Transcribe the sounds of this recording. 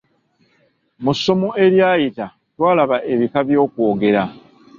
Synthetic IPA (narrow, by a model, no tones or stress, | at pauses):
musːo̞mo̞e̞ɾjaːjita | twaːlaβaʔe̞βikaβjo̞ːkwo̞ːɡe̞ɾa